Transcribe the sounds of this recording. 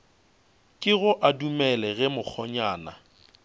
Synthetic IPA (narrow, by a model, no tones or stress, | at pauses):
kʼɪɣʊʔadumɛlɛɣɛmʊk͡xʰɔɲaːna̰